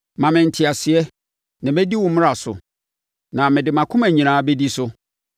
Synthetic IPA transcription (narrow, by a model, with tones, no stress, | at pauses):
mã˨mɪ̃˨n̩˨tʰɪ˨a˨sɪ˨ɛ˦ | nã˨mɛ˦di˦wʊ̃˨mɪ̃˦ɾa˨sʊ̰˨ | nã˨mɪ̃˨dɪ˨mã˨kʰʊ̃˦mæ˨ɲĩ˨ñãː˨˦be˦di˦sʊ˦